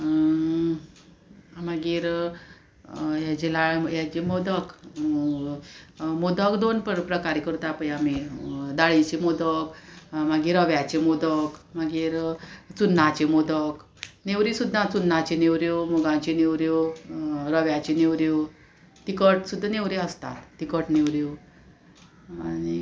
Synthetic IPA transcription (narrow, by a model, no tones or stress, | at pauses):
maɡiːɾ | jad͡ʑelaɭjad͡ʑemod̪ək | mod̪əkd̪onppɾəkaɾekəɾut̪apəjamid̪aɭit͡ɕemod̪əkmaɡiːɾəʋjat͡ɕemod̪əkmaɡiːɾt͡sunːat͡ɕemod̪ək | neʋɾisud̪ʱːãt͡sunːãt͡ɕeneʋɾjomɔɡãt͡ɕeneʋɾjo | ɾəʋjat͡ɕeneʋɾjo | t̪ikəʈsud̪ʱːaneʋɾeəst̪a̰t̪ːikəʈneʋɾjo | añi